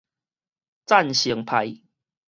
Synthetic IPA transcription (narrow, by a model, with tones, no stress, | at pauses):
t͡sa˥˨nɕi˨˦ŋpʰa˨˦j